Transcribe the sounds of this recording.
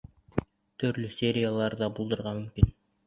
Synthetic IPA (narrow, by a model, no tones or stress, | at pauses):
t̪ʰɵ̆ɾlɵsʲeɾʲijalˠɑɾd̪ɑbulˠd̪ɤ̆ɾʁɑmɵ̆mkin